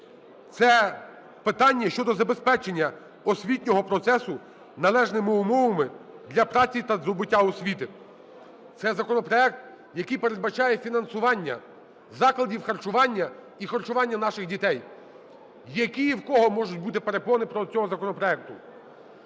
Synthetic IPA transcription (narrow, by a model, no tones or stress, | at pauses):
t̪sɛ | pɪt̪ɑnʲːɐʃt͡ʃɔd̪ɔzɐbespɛt͡ʃenʲːɐ | ɔsʲʋʲitʲnʲɔɦɔpɾɔt̪sɛsʊ | nɐlˠɛʒnɪmɪʊmɔʋɐmɪd̪lʲɐpɾɑt͡sʲit̪ɐzɔbɪtʲːaɔsʲʋʲit̪ɪ | t̪sɛzɐkɔnɔpɾɔɛk̚t̪ | jɐkɪjpeɾed̪̚bɐt͡ʃɑjɛfʲinɐnsʊʋɑnʲːɐ̰ | zɑklˠɐdʲiwxɐrt͡ʃʊʋɑnʲːɐ | ixɐrt͡ʃʊʋɑnʲːɐnɑʃɪxdʲit̪ɛj | jɐkʲijiwkɔɦɔmɔʒʊtʲbut̪ɪpeɾepɔʋnɪpɾɔt͡sʲɔɦɔzɐkɔnɔpɾɔɛk̚t̪ʊ